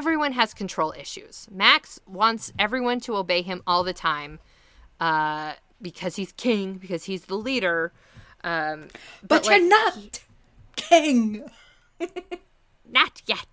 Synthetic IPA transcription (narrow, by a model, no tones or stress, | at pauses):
vɹiwʌ̃nɨz̥kʰn̩tʰɹ̥oʊlˠɪ̰ʃʉ̰z̥mækswɑ̃ntsɛvɹiwʌ̃ntʰəoʊbeɪɨ̃mɔlˠðɨtʰãɪ̃m | ʌ | bɨkʰʌz̥hiz̥kʰɪ̃ŋbɨkʰʌz̥izðəliɾə˞ | ʔʌ̃bb̥ʌtə˞nət̚ | kʰɪ̃ŋ | nɨtjɛt̚